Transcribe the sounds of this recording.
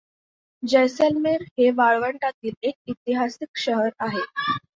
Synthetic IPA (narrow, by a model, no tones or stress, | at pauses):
d͡ʑəjsəlmeɾɦeʋaɭʋəɳʈat̪iːlek̚it̪iɦasikɕəɦəɾaɦe